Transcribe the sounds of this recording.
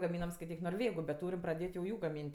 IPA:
ɡɐˈmʲiːnɐm skɐɪˈtʲiːk noːrʲˈʋʲeːɡʊ bʲɛt ˈtuːrʲɪm prɐˈdʲeːtʲ jɛʊ ˈjuː ɡɐˈmʲiːnʲtʲ

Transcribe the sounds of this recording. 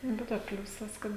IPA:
ˈbʲɛ toː ˈpʲlʲuːsɐs ˈkɐt

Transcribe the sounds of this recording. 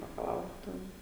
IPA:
bɐkɐˈlˠɐʊrɐ ˈtʲɛn

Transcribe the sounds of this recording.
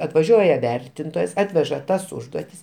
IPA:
ɐtʋɐˈʒʲuɔjɛ ˈʋʲɛrʲtʲɪntoːjɛs ˈɑːtʲʋʲɛʒɐ ˈtɐs ˈʊʒduɔtʲɪs

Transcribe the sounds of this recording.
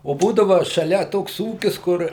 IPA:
oː ˈbuːdɐʋɐ ʃɐˈlʲɛ ˈtoːks ˈuːkʲɪs ˈkʊr

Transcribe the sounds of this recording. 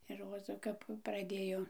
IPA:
ɪr ˈroːzɐ kɐp prɐˈdʲeːjoː

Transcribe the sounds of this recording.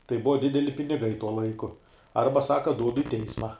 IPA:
tɐɪ ˈbʊʋɐ ˈdʲɪdʲɛlʲɪ pʲɪnʲɪˈɡɐɪ tuɔ ˈlˠɐɪkʊ ˈɐrbɐ ˈsɑːkɐ ˈduːdʊ ɪ ˈtʲɛɪsmɐ

